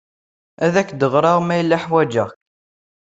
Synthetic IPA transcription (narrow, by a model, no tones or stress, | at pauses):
æðækːd̪əʁɾˤɑʁmæjəlːaħwæd͡ʒəʁç